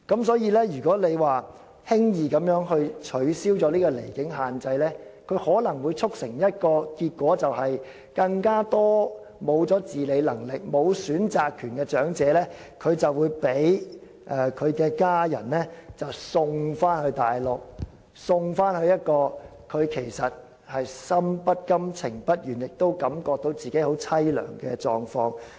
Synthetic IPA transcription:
kɐ˨˥msɔː˨˥jiː˧lɛː˥jyː˨˩kɔː˨˥le˨˧jwaː˨˩ | hɪ˥ŋjiː˨˧kɐ˨˥mjœː˨˥ŋɦɵ˧ɥt͡ʃʰɵ˨˥ɥsiː˥wt͡sɔː˨˧˥liː˥kɔː˧le˨˩jkɪ˨˥ŋɦaː˨nt͡sɐ˧jlɛː˥kʰɵ˨˧ɥhɔː˨˥lɐ˨˩ŋwuː˨˧jt͡sʰʊ˥k̚sɪ˨˩ŋjɐ˥t̚kɔː˧kiː˧t̚kwɔː˨˥t͡sɐ˨whɐ˨j | kɐ˧ŋkaː˥t̪ɔː˥ | mo˨˧wt͡sɔː˨˥t͡siː˨le˨˧jlɐ˨˩ŋlɪ˨k̚mo˨˧wsyː˨˥nt͡saː˨˧kʰːyː˨˩nkɛː˧t͡ʃœː˨˥ŋt͡sɛː˨˧lɛː˥ | kʰɵ˨˧ɥt͡sɐ˨wwuː˨˧jpe˨˥j | ʔɛː˧kʰɵ˨˧ɥkɛː˧kaː˥jɐ̰˨˩nlɛː˥t͡sɐ˨˩wsʊ˧ŋfaː˥nhɵ˧ɥt̪aː˨˩jlʊ˨k̚ | sʊ˧ŋfaː˥nhɵ˧ɥjɐ˥t̚kɔː˧ | kʰɵ˨˧ɥkʰe˨˩jsɐ˨t̚ | hɐ˨jsɐ˥mpɐ˥t̚kɐ˥mt͡sʰɪ˨˩ŋpɐ˥t̚jyː˨˩njɪ˨k̚t̪o˥wkɐ˨˥mkɔː˧k̚t̪o˨˧wt͡siː˨ke˨˥jho˨˥wt͡sʰɐ˥jlœ̰ː˨˩ŋkɛː˧t͡ʃɔː˨ŋfɔː˧ŋ

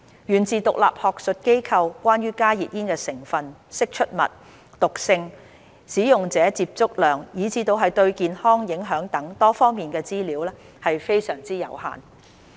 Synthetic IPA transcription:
jyː˨˩nt͡sʰiː˨t̪ʊ˨k̚la̰ː˨p̚hɔː˨k̚sɵ˨t̚ke˥jkʰɐ˧wkʷwʷaː˥nɥyː˥kaː˥jiː˨t̚ʔjiː˥nkɛː˧sɪ˨˩ŋfɐ˨nsɪ˥k̚t͡ʃʰɵ˥t̚mɐ̰˨t̚ | t̪ʊ˨k̚sɪ˧ŋ | siː˨˥jʊ˨ŋt͡sɛː˨˥t͡siː˧p̚t͡sʊ˥k̚lœː˨˩ŋjiː˨˥t͡sʰiː˨˧t̪o˧wɦɐ˨jt̪ɵ˧ɥkiː˨nhɔː˥ŋjɪ˨˥ŋɦœː˨˥ŋt̪ɐ˨˥ŋt̪ɔː˥fɔː˥ŋmiː˨˩nkɛː˧t͡siː˥liː˨˥wlɛː˥ | hɐ˨jfe˥jsœː˨˩ŋt͡siː˥jɐ̰˨˩wha̰ː˨n

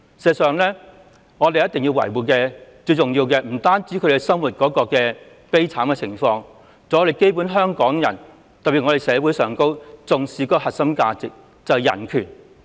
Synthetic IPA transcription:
sɛː˨sœː˨˩ŋlɛː˥ | ŋɔː˨˧t̪e˨jɐ˥t̪ɪ˨ŋjiː˧wɐ̰˨˩jwuː˨˩kɛː˧t͡sɵ˧jt͡sʊ˨ŋjiː˧wkɛː˧m̩˨˩t̪aː˥nt͡siː˨˥kʰɵ˨˧de˨˩sɐ˥mwuː˨˩t̚kɔː˨˥kɔː˧kɛː˧ | pe˥jt͡sʰaː˨˥mkɛ˧t͡sʰɪ˨˩ŋfɔː˧ŋ | t͡sɔː˨˥le˨jke˥jp̬u˨˥nɦœː˥ŋkɔː˨˥ŋjɐ̰˨˩n | t̪ɐ˨p̚piː˨t̚ŋɔː˨˧ɾe˨˩sɛː˨˥wu˨˥jsœː˨˩ŋko˥wt͡sʊ˨ŋsiː˨kɔː˧˥kɔ˧hɐ˨t̚sɐ˥mkaː˧t͡sɪ˨k̚ | t͡sɐ˨wjɐ̰˨˩nkʰy̰ː˨˩n

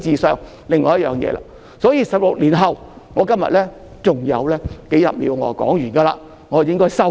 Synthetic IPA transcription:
t͡siː˨sœː˨ŋ | lɪ˨ŋːɔː˨˧jɐ˥t̚jœː˨ŋjɛ̰ː˨˧la̰ː˧ | sɔː˨˥jiː˧sɐ˨p̚lʊ˨k̚liː˨˩nɦɐ˨w | ŋɔː˨˧kɐ˥mjɐ̰˨t̚lɛː˥ | t͡sʊ˨ŋjɐ̰˨˧wlɛː˥ke˨˥jɐ̰˨p̚mḭː˨˧wŋɔ̰ː˧kɔ̰ː˨˥ŋjyː˨˩nɡaː˧laː˧ | ŋɔː˨˧˦jɪ˥ŋkɔː˥jsɐ˥

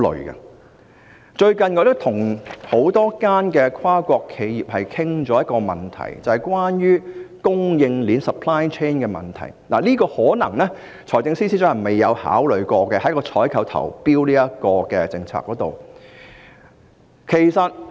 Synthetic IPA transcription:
lɵ̰˨˧kɐ̰˧ | t͡ʃɵ˧ɥkɐ˨nkɔː˧˥lɪ˥t̪ʰʊ˨˩ŋho˨˥wt̪ɔː˥kaː˥nkɛː˧kʰwaː˥kʷɔː˧kʰːe˨˧jjiː˨p̚hɐ˨jkʰɪ˥ŋt͡ʃɔː˨˥jɐ˥t̚kɔː˧mɐ̰˨˩nt̪ʰɐ̰˨˩jt͡sɐ˨hɐ˨jkwaː˥njyː˥kʊ˥ŋjɪ˧ŋliː˨˥nsɐ˨pʰlaː˥jt͡ʃʰeː˥nkɛː˧mɐ̰˨nt̪ʰɐ̰˨˩jla̰ː˨˩liː˥kɔː˧hɔː˨˥nɐ˨˩ŋnɛ˥ | t͡ʃʰɔː˨˩jt͡sɪ˧ŋsi˥siː˥t͡sːɐ˨˩me˨jɐ˨˧wha̰ː˨˥wlɵ˨ɥkʷɔː˧kɛː˧hɐ˨˥jkɔː˧t͡sʰɔː˨˥jkʰɐ˨˥wt̪ʰɐ̰˨˩wpiː˥wliː˥jɐ˥kɔː˧kɛ˧t͡sɪ˧ŋt͡sʰa̰ː˧kːɔː˨˧˥t̪o̰˨w | kʰe˨˩jsɐ˨t̚

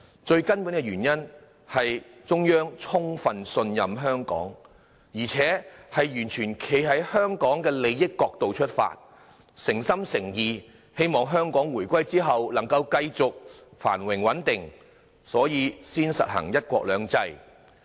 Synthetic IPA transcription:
t͡ʃɵ˧ɥkɐ˥npu˨˥nkɛ˧ɥyː˨˩njɐ˥n | hɐ˨jt͡sʊ˥ŋjœː˥ŋt͡sʰʊ˥ŋfɐ˨nsɵ˧njɐ˨mɦœː˥ŋkɔ̰ː˨˥ŋ | jiː˨˩t͡sʰɛː˨˥hɐ˨jjyː˨˩nt͡ʃʰyː˨˩nkʰe˨˥jɦɐ˨˥jhœː˥ŋkɔː˨˥ŋkɛː˧le˨˧jːɪ˥kːɔː˧k̚t̪o˨wt͡ʃʰɵ˥t̚fa̰ː˧t̚ | sɪ˨˩ŋsɐ˥msɪ˨˩ŋjiː˨˩ | he˥jmɔː˨ŋɦœː˥ŋkɔː˨˥ŋwuː˨˩jkʷɐ˥jt͡siː˥ɦɐ˨wlɐ˨˩ŋkɐ˧wkɐ˧jt͡sʊ˨k̚fa̰ː˨˩nwɪ˨˩ŋwɐ˨˥nt̪ɪ˨ŋ | sɔː˨˥jiː˨siː˥nsɐ̰˨t̚hɐ̰˨˩ŋjɐ˥t̚kʷɔ̰ː˧k̚lœː˨˥ŋt͡sɐ˧˥j

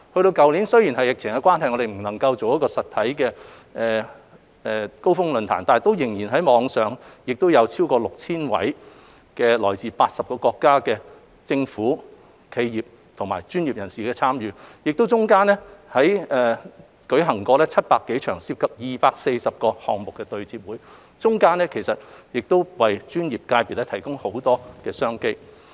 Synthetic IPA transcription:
hɵ˧ɥɾo˧wkɐ˨wnli˨˥nsɵ˥ɥji˨˩nɦɐ˨jɪ˨k̚t͡sʰɪ˨˩ŋkɛ˧kʷwaː˥nɦɐ˨jŋɔː˨˧ɾe˨m̩˨˩nɐ˨˩ŋkɐ˧wt͡so˨wj̚kɔː˧sɐ˨t̪ʰɐ˨˥jkɛː˧ | ʔɛ˨˧ | ɛː˧ko˥wfʊ˥ŋlɵ˧nt̪ʰa̰ː˨˩nt̪aː˨n˨˩t̪o˥wjɪ˨˩ŋjiː˨˩nɦɐ˨˥jmɔː˨˧ŋsœː˨ŋjɪ˨k̚t̪o˥wjɐ˨˧wt͡sʰi˥wkɔː˧lʊ˨k̚t͡sʰiː˥nwɐ̰˨˥j | kɛː˧lɔː˨˩jt͡siː˨˩paː˧t̚sɐ˨p̚kɔː˧kɔː˧kːaː˥kɛː˧ | t͡sɪ˧ŋfuː˨˥ | kʰe˧jjiː˨˩p̚ | t̪ʰʊ˨˩ŋmaː˨˩jt͡ʃyː˥njiː˨p̚jɐ˨˩nsiː˨kɛː˧t͡sʰaː˥mjyː˨˧jɪ˨k̚t̪o˥wt͡sʊ˥ŋkaː˥nlɛ˥hɐ˨˥jɛː˧ | kɵ˨˥ɥɦɐ˨˩ŋkɔː˧lɛː˥t͡sʰɐ˥t̚paː˧kːe˨˥jt͡ʃʰœː˨˩ŋsiː˧p̚kʰɐ˨p̚jiː˨paː˧k̚se˧jsɐ˨p̚kɔː˧hɔː˨˩ŋmʊ˨kːɛː˧t̪ɵ˧ɥt͡siː˧p̚wuː˨˥j | t͡ʃʊ˥ŋkaː˥nɛː˥kʰe˨˩jsɐ˨t̚jɪ˨k̚t̪o˥wwɐ˨jt͡ʃyː˥njiː˨p̚kaː˧jpiː˨t̚lɛː˥t̪ʰjkʊ˥ŋho˨˥wt̪ɔː˥kɛː˧sœː˥ŋke˥j

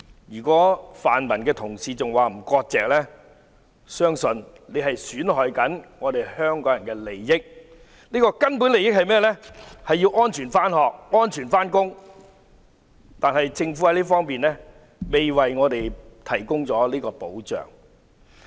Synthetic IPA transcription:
jyː˨˩kɔː˨˥faː˨nmɐ˨˩nkɛː˧t̪ʰʊ˨˩ŋsiː˨t͡sʊ˨ŋwaː˨m̩˨˩kɔː˧k̚t͡sɛː˨k̚lɛː˥ | sœː˥ŋsɵ˧n | le˨˧ɦɐ˨jsyː˨˥nhɔː˨jkɐ˨˥nŋɔː˨˧d̪e˨jhœː˥ŋkɔː˨˥ŋjɐ˨˩nkɛː˧le˨jːɪ˥k̚ | liː˥kɔː˧kɐ˥npu˨˥nle˨jɪ˥k̚hɐ˨jmɛː˥lɛː˥hɐ˨jːiː˧wʔɔː˥nt͡ʃʰyː˨˩nfaː˥nhɔː˨k̚ŋɔː˥nt͡ʃʰyː˨˩nfaː˥nkʊ˥ŋ | t̪aː˨nɦɐ˨jt͡sɪ˧ŋfu˨˥hɐ˥jliː˥fɔː˥ŋpiː˨nlɛː˥ | me˨jwɐ˨jŋɔː˨˧t̪e˨jt̪ʰɐ˨˩jkʊ˥ŋt͡sɔː˨˥liː˥kɔː˧po˨˥wt͡ʃœ̰ː˨ŋ

